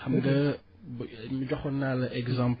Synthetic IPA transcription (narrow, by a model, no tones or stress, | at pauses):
ɐmɡɐ | bmiɟɔxɔnalɐʔɛɡzãmp